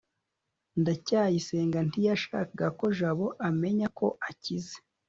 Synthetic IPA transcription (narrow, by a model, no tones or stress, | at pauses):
ndacaːjise̞ːŋɡantijaʃa̰ːkaɡako̞ʒaβo̞ʔame̞ɲakʰo̞̰ʔacize